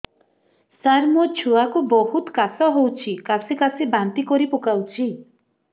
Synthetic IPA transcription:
saɾmɔt͡ʃʰuakubɔɦut̪kasɔɦowt͡ʃʰikasʰikasʰibant̪ikɔɾipukawt͡ʃʰi

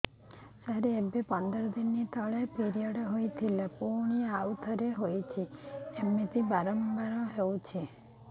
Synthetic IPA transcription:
saɦɾeebepɔnd̪ɔɾɔd̪inːit̪ɔɭepiɾijɔɖɦojt̪ʰilepuɾɳ̃iawt̪ʰɔɾeɦojt͡ʃʰiemet̪ibaɾɔmbaɾɔɦewt͡ʃʰe

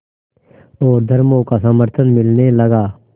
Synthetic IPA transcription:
oːɾd̪ʱəɾmoːkaːsəməɾt̪ʰənmɪlneːləɡaː

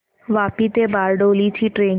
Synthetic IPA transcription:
ʋapit̪ebaɾɖolit͡ɕʰiʈɾen

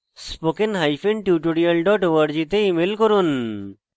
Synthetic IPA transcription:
spokenɦajfeɳʈjuʈoɽijɐlɖɔʈʋəɖd͡ʑit̪eimelkɔɾun

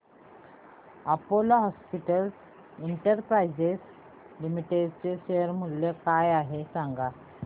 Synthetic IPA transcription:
apoloɦɔspiʈəls | iɳʈəɾpɾajd͡ʑes | limiʈeɖt͡seɕeəɾmuljekajaɦesãŋɡa

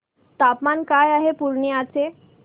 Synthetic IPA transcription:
t̪apmankajaɦepuɾɳjəat͡se

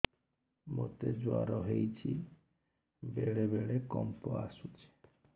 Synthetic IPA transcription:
mot̪ed͡ʒua̰ɾɔɦejt͡ʃʰi | beɭebeɭekɔmpɔasut͡ʃʰe̥

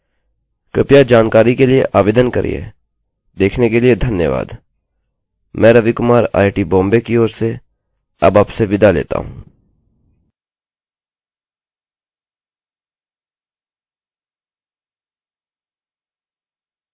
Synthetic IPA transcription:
kɪpjad͡ʒaːnkaːɾikeliḛʔaːʋeːd̪ənkɐ̰ɾʔḭjḛ | d̪eːkʰnekelied̪ʱɐnjəʋa̰ːd̪ | mɛ̃ːɾɐʋikʊmaːɾa̰ːɪʈibɔ̃ːmbekioːɾse | ɐ̰baːpseʋɪd̪alḛːt̪a̰ɦṵ̃ː

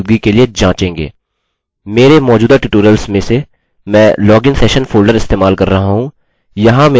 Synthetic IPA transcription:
d̪̚ɡikelied͡ʒãːt͡ʃẽːŋɡḛː | meːɾemɔːd͡ʒuːd̪aʈɪʈuːɾəlsmẽse | mɛ̃ːlɔːɡɪ̃ŋsɛːʃənfʰoːlɖəɾɪst̪eːmaːlkɐɾːɐɦaɦũ | jɐɦãmeː

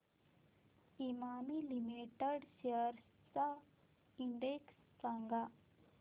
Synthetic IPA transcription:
imaːmilimiʈɐɖseəɾ | sa | iɳɖeksːɐŋɡa

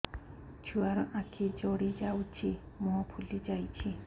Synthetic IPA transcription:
t͡ʃʰuaɾɔʔãkʰid͡ʒoɽid͡ʒawt͡ʃʰi | moɦɔpʰulid͡ʒajt͡ʃʰi

